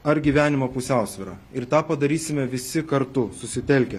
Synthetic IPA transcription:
ɐɾɡʲiːʋʲæːnʲɪmoːpʊsʲæˑʊsʲʋʲɪɾɑ̰ːɪɾt̪ɑːpɐd̪ɐɾʲiːsʲɪmʲɛʋʲɪsʲɪkɐɾt̪ʊsʊsʲɪt̪ʲɛlʲkʲɛ

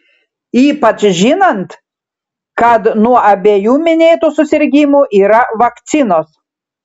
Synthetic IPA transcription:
iːpɐt͡ʃʒʲɪnɐnt̪ | kɐt̪nuɔʔɐbʲeːjuːmʲɪnʲeːt̪uːsʊsʲɪɾʲɡʲɪmuʔiːɾɐʋɐkt̪sʲɪnoːs

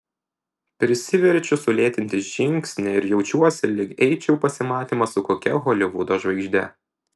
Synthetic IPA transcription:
pʲɾʲɪsʲɪʋʲɛɾʲt͡ʃʲʊsʊlʲeːt̪ʲɪnʲt̪ʲɪʒʲɪŋʲksʲnʲɛɪɾjɛʊt͡ʃʲuɔsʲɪlʲɪkɛɪt͡ʃʲɛʊpɐsʲɪmɑːt̪ʲiːmɐsʊkoːkʲɛɣoːlʲɪʋud̪oːʒʋɐɪɡʒʲd̪ʲɛ̰

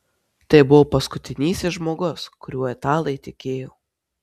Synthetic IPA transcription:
t̪ɐɪbʊʋoːpɐskʊt̪ʲɪnʲiːsʲɪʒmoːɡʊskʊɾʲuɔɛt̪ɑːlˠɐɪt̪ʲɪkʲeːjoː

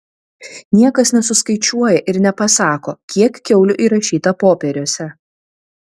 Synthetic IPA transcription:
nʲiɛkɐsnʲɛsʊskɐɪt͡ʃʲuɔjɛʔɪɾnʲɛpɐsɑːkoːkʲiɛkkʲɛʊlʲʊʔiːɾɐʃʲiːt̪ɐpoːpʲɛɾʲoːsʲɛ

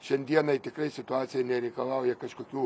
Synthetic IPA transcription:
ʃʲɛnʲd̪ʲiɛnɐɪt̪ʲɪkrɐɪsʲɪt̪ʊɑːt̪sʲɪjɛnʲɛɾʲɛɪkɐlˠɐʊjɛkɐʃkoːkʲuː

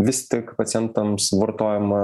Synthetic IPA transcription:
ʋʲɪst̪ʲɪkpɐt̪sʲɪjɛnt̪ɐmsʋɐɾt̪oːjɛmɐ

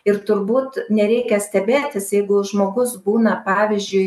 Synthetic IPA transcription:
ɪɾt̪ʊɾbuːt̪nʲɛɾʲɛɪkʲɛsʲt̪ʲɛbʲeːt̪ʲɪsjɛɪɡʊʒmoːɡʊsbuːnɐpɑːʋʲɪzʲd͡ʒʲʊɪ

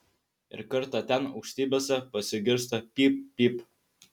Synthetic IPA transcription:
ɪ̰ɾkɐɾt̪ɑt̪ʲɛnɐʊkʃʲt̪ʲiːbʲesʲɛpɐsʲɪɡʲɪɾst̪ɐpʲipːʲiːp

